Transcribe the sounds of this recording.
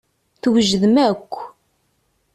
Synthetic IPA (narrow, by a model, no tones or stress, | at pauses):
θwʒðəmækʷː